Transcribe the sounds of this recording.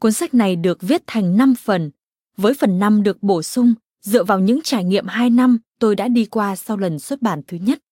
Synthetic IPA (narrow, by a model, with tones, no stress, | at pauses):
kwə˧nsa˦˥k̚na˨˩jɗɨ˨˩ək̚vi˦˥ət̚t̪ʰa˨˩jŋ̟na˧mfə˨˩n | vəː˨˦jfə˨˩nːa˧mɗɨ˨˩ək̚ɓo˧˩sʊ˧ŋ͡m | zɨ̰˧˨əvaː˨˩wɲɨ̰˧˥ŋt͡ɕaː˧˩jŋḭ˧˨əmɦaː˧jna˧mt̪o˧jɗa̰ː˧˥ɗi˧kwaː˧sa˧wlə˨˩nswə˦˥t̚ɓaː˧˩nt̪ʰɨ˨˦ɲə˦˥t̚